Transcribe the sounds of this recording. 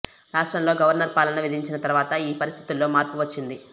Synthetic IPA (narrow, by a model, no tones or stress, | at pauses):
ɾaːʂʈɾɐmlo̞ːɡɐʋɐɾnɐɾpaːlɐnɐʋid̪iɲt͡ʃinɐt̪ɐɾuʋaːt̪ɐiːpɐɾist̪ʰit̪ulːo̞ːmaːɾpuʋɐt͡ʃːind̪i